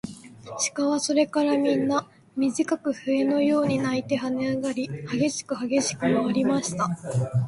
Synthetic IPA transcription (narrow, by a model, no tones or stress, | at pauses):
ɕi̥kaβaso̞ɾe̞kaɾamʲĩnːa | mʲiʑikakɯ̟ɸɯ̟e̞no̞jo̞ːɲ̟inait̪e̞ɦaneaɡaɾʲihaɡe̞ɕi̥kɯ̟haɡe̞ɕi̥kɯ̟maaɾʲimaɕi̥t̪a